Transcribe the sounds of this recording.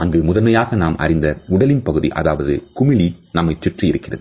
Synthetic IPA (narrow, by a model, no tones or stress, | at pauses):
ɐŋɡɯmʊðɐnmɐjaːɣɐnaːmʔɐ̰rɪnd̪ɐʊɽɐlɪnpɐɣɯðḭʔɐ̰ðaːʋɐðɯ̰kʊmɪlinɐmːɐɪt͡ʃːɪʈrijɪɾɯkːɪrɐ̰ðɯ